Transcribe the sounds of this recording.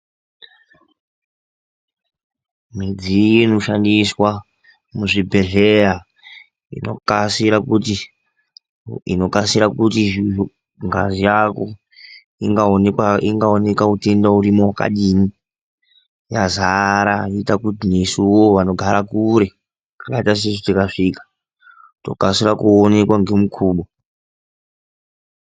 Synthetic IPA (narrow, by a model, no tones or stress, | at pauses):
mid͡ziino̞ʃandiswa | muʐibʱe̞ɮeja | ḭno̰kasiɾakuti | ḭno̞kasiɾakutiʐiu | ŋɡa̰zijako̞̰ | iŋɡaaiŋɡaone̞kakute̞ndauɾimowaka̰ɗiːni | jazaɾaiitakutinesuwoʋano̞ɡʱaɾakuɾe̞ | kakaitas̬eʐotikaʂikḁ | to̞̰kasiɾakuone̞kwaŋɡe̞mukʰuːɓo